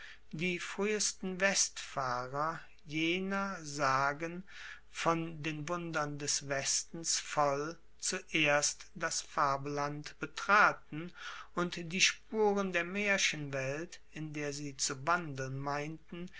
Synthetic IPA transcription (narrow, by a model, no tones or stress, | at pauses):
d̥iːfʁ̥yːəstn̩vɛstfaːʁɐ | jeːnɐzaːɡən | fɔndeːnvʊndɐndɛsv̥ɛstn̩sfɔl | t͡suʔeːɐstd̥asfaɐbəlantb̥ətʁ̥aːtn̩ʔʊntd̥iːʃpuːʁəndeːɐmeːɐʃənvɛltʔɪndeːɐziːt͡suvandl̩nmaɪntn̩